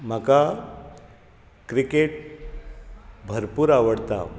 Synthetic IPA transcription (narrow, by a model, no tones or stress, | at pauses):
m̤aka | kɾikeʈ̚ | bʱəɾpuːɾaʋəɽt̪a̰